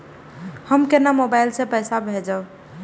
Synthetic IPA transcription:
həmkenamobajlsẽpəsabʱed͡ʒaw

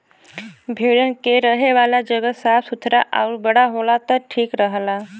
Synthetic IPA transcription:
bʱeɭənkeɾəɦeʋaːlad͡ʒəɡəsaːfsut̪ʰɾaʔaʊɾbəɽ̤aɦolat̪əʈʰiːkɾəɦəla

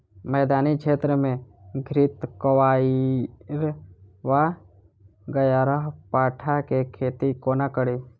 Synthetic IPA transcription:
mɛːd̪aːnikʃʰeːt̪ɾəmẽ | ɡʱɾɪt̪kəʋaːiɾʋa | ɡəjaːɾəɦpaːʈʰakekʰeːt̪ikoːnakəɽiː

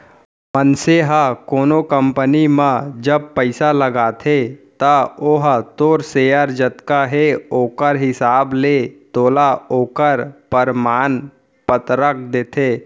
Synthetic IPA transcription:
mənseɦəkoːnokə̃mpənimə̃d͡ʒəb̚pəɪsaləɡaːt̪ʰet̪əoɦt̪oːɾseːjəɾd͡ʒət̪kaɦeoːkəɾɦɪsaːblet̪oːlaoːkəɾpəɾmaːn | pət̪ɾək̚d̪eːt̪ʰeː

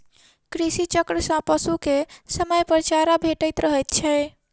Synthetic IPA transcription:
kɾisit͡ʃəkɾəsə̃pəsukesəməjpəɾt͡ʃaɾabʱeʈəjt̪ɾəɦət̪t͡ʃʰɛ

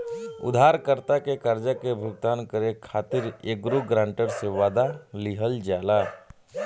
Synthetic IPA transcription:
ʊ̰d̪ʱaːɾkəɾt̪akekəɾd͡ʒəkebʱʊɡt̪aːnkəɾekʰaːt̪ɪɾeːɡɾuɡɾãːɳʈəɾseʋaːd̪aliɦəld͡ʒaːlaː

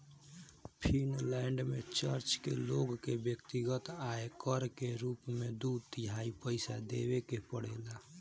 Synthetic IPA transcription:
pʰinlɛːɳɖmet͡ʃəɾt͡ʃkḛloɡkebjəkt̪iɡət̪aekəɾkeɾuːpmed̪ud̪t̪ɪɦaipəɪsad̪ebekepəɽeːla

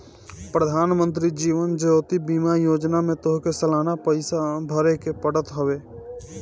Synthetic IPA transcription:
pɾəd̪ʱaːnmə̃nt̪̬ɾid͡ʒiːʋənd͡ʒəoːt̪ibiːmajoːd͡ʒnamẽt̪oɦkesəlaːnapəɪsabʱəɾekepəɽət̪ɦəʋeː

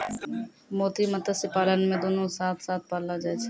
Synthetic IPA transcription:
moːt̪imət̪əsɪpaːlənmẽd̪oːnõsaːt̪ʰsaːt̪̚paɾlad͡ʒaːt͡ʃʰː

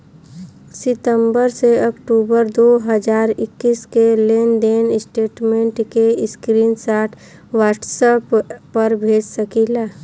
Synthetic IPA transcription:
sɪt̪ə̃mbəɾseɔkʈuːbəɾd̪oːɦəd͡ʒaːɾɪkːiːskeleːnɖeːnɪsʈeːʈmẽɳʈkeɪskɾiːnsaːʈʰ | ʋaːʈsəpːəɾbʱeːd͡ʒsəkilaː

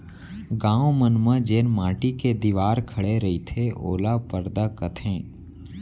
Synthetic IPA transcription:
ɡãːomənməd͡ʒeːnmaːʈiked̪iʋaːɾkʰəɽeɾəit̪ʰeʔo̰ːlapəɾd̪akət̪ʰẽː

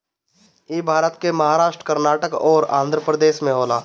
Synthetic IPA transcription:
eːbʱaːɾət̪kemɐɦaːɾaːʃʈɾəkəɾnaːʈəkɔːɾã̰ːnd̪ʱɾəpɾəd̪eːʃmẽɦoːlaː

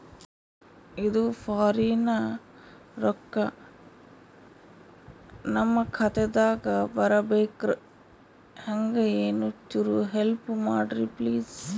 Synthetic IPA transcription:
id̪ufʰaːɾiːnɐ | ɾɔkːɐ | nɐmːɐkʰɐt̪ɛd̪aːɡɐbɐɾɐbeːkɾ | hɐŋɡɐeːnut͡ʃːuɾuɦelpumaːɖɾipliːs

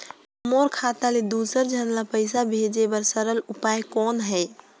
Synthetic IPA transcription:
əmoɾkʰat̪aled̪usəɾd͡ʒʱənlapəɪsabʱed͡ʒebəɾsəɾəlupajkɔnɦɛj

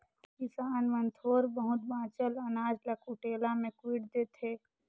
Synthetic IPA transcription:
kɪsaːnʋənt̪ʰoːɾbəɦʊt̪̚bãːt͡ʃələnaːd͡ʒləkʰʊʈeːlamẽkwiʈd̪eːt̪ʰeː

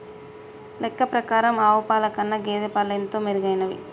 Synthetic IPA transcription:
lɛkːɐpɾɐkaːɾɐmaːʋɐpaːlɐkɐnːɐɡeːd̪ɐpaːlːɐjɐnt̪oːmeɾuɡɐjnɐʋḭ

